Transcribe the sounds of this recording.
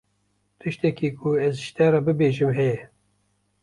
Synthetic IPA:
t̪ʰɨʃt̪ɛkiːkʰuɛzʃt̪ɛɾɑbɨbeːʒɨmɦɛjɛ

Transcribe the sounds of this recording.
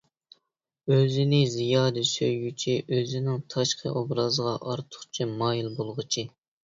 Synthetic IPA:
øzɪnɪzijɑːd̪ɨsøjɡʲyt͡ʃʰiʔøzɪnɪŋt̪ʰɑʃqʰə̰ʔobɾɑzəʁɑʔɑɾt̪ʰʊ̥χt͡ʃʰimɑːjilˠbolˠʁət͡ʃʰi

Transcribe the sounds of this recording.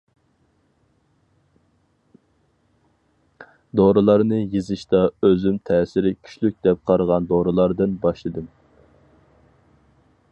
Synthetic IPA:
d̪oɾɨlˠɑɾnɨjezɨʃt̪ɑøzymt̪ʰɛːsɪɾɪkʲʰy̥ʃlyk̚ʲd̪ɛp̚qʰɑɾʁɑnd̪oɾɨlˠɑɾd̪ɨnbɑʃlˠɨd̪ɨm

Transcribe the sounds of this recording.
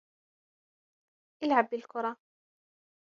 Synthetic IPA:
ʔɪlʕabːɪlkʊɾˤɑ

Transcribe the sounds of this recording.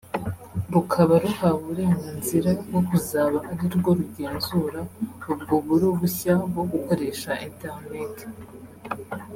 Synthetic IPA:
ɾukʰaβaɾuhaβuɾe̞ːŋɡanziɾabɡo̞kuzaːβaʔːɾiɾɡo̞ɾuɟe̞ːnzuɾaub̚ɡoβuɾuβuçabo̞ɡuko̞ɾe̞ːʃaenteɾneti̥

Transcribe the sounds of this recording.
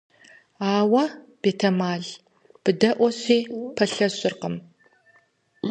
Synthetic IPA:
aːwɐb̥eːtʰɐmaːɮ | b̥ɨdɐʔʷɔɕiːpʰɐɬɐɕʼɪrqəm

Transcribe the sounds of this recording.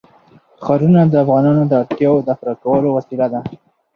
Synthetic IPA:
xɑɾunad̪əafɣɑnɑnod̪əaɽt̪jɑwod̪afɾakawəlowasilad̪a

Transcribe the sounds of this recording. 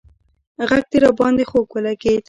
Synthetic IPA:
ɣaɡ̚t̪iɾɑbɑnd̪exoɡwəlaɡed̪

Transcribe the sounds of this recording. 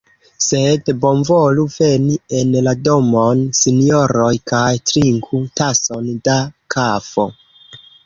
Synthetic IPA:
sedbo̞nvoluvenie̞nlado̞mo̞nsinioɾo̞jkajtɾiŋkʰutaso̞ndakʰafo

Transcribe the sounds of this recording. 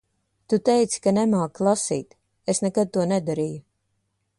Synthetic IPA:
t̪ut̪ɛjt̪si̥kanɛmaːkːlˠasḭːt̪ | esnɛkad̪̚t̪uɔnɛd̪aɾiːju

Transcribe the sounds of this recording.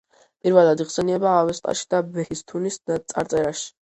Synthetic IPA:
pʼiɾvɛlˠad̪iχsɛniɛbaːvɛst̪ʼa̰ʃi̥d̪abɛhist̪ʰunist̪sʼa̰ɾt̪sʼɛɾaʃi̥

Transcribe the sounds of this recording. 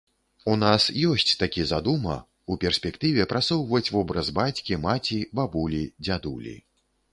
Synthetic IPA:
unasjɔsʲt͡sʲt̪akʲizad̪umɐ̰ | upʲɛrsʲpʲɛkt̪ɨvʲɛpɾʔat̪sɔwvɐt͡sʲvɔbɾɐzbat͡sʲkʲimat͡sʲibabulʲid͡zʲad̪ulʲḭ

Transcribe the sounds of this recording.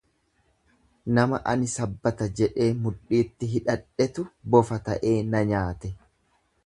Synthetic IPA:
nɐmɐʔɐ̰nɪsɐbːɐt̪ɐd͡ʒɛᶑe̞ːmʊᶑiːt̪ːɪɦɪᶑɐᶑɛt̪ʊbɔfɐt̪ɐʔe̞ːnɐɲaːt̪ɛ

